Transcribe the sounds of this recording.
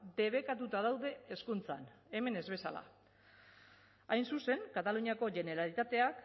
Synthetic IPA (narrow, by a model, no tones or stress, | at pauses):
d̪e̞β̞e̞kat̪ut̪aðawðe̞ːskunt͡sa̰ne̞me̞ne̞zβe̞sa̰la̰ | ajnsuse̞ŋkat̪aluɲiako̞ʝe̞ne̞ɾalit̪at̪e̞ak